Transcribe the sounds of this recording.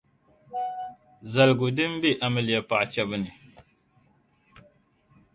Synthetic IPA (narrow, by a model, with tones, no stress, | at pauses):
za˨lɡʊ˨dɨ˦m˦be˦ʔa˨mɨ˨lɪ˨ja˨pa˨ʔt͡ʃɛ˦bɨ˦nɨ˨